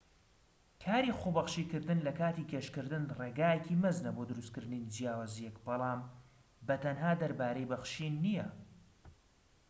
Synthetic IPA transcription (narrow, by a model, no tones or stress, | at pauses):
kʰaːɾixobɐχʃikɨɾd̪ɨnlɐkaːt̪iːɡɐʃkɨɾd̪ɨnreːɡaːjecʰimɨznɐboːd̪ɨɾust̪kɨɾd̪ɨnind͡ʒijaːwaːzijɛkbɑlˠɑːm | bɐt̪ʰɐnɦaːd̪ɐɾbaːɾɐjbɐxʃinːijɐ